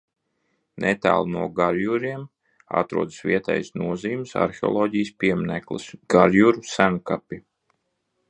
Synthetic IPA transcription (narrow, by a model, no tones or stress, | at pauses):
nɛt̪a̰ːlˠnuɔɡaɾjuɾiɛm | a̰t̪ɾṵɔd̪ɨ̥sʋiɛt̪ɛ̰ːjsnuɔziːumsa̰ɾxeɔ̰lˠoːɟijspiɛmnæklˠɨ̰sɡ̥aɾjuɾusænkapʲi